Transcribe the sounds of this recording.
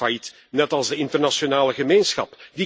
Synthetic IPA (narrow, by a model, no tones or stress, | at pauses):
ajit | nɛtɑlˠzdəɪntərnasjonaːləɣəmeːnsxɑ̰pdi